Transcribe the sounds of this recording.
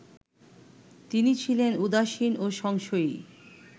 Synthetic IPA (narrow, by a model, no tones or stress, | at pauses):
t̪init͡ɕʰilenud̪aʃinoʃɔŋʃoi